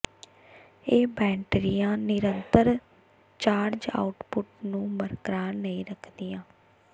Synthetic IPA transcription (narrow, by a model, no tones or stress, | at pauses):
eːbɛ̃ːɳʈɾijãːnɪɾənt̪əɾ | t͡ʃaːɾd͡ʒa̰ːʊʈpʊʈnũːməɾkɾaːnəĩːɾəkʰd̪iːãː